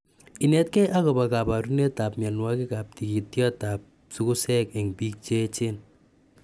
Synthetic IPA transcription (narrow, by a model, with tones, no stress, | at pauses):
i˨nɛ˦t̚kɛ˦ʔa˦kɔ˨ba˨ka˨pa˨ɾu˦ne˦ta˨pma˨nwa˦ke˦ka˨p̚ti˨ki˨tjɔ˦ta˨p̚ | su˦ku˦sɛ˦ke˨ŋpiː˦k̚t͡ʃe˦t͡ʃe˦n